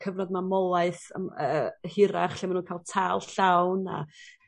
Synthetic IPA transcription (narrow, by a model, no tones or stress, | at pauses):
kʰəvnɔdmamɔlˠaɨθə̰əːhɪɾaχɬimanuːnkʰalˠtʰalˠɬawna̰